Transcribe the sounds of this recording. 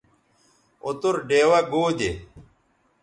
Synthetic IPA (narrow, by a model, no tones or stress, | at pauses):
ut̪uɾɖeːwɐɡoːd̪e